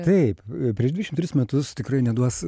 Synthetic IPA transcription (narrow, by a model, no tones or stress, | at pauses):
t̪ɐɪppʲɾʲiɛʃd̪ʲʋʲɪʃɪmt̪ʲɾʲɪsmʲɛt̪ʊst̪ʲɪkɾɐɪnʲɛd̪uɔs